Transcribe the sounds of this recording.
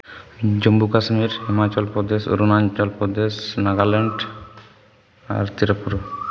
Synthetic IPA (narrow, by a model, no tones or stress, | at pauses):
d͡ʒombukasmiɾhimat͡ʃɔlpɾɔd̪esṵɾunaɲt͡ʃɔlpɾɔd̪esnaɡaleɳɖ | a̰ɾt̪iɾopːuɾo